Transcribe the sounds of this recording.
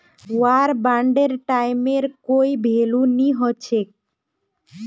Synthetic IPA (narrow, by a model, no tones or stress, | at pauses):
uaɾbaɳɖeɾʈajmeɾkojbʱeluniɦɔt͡ɕʰe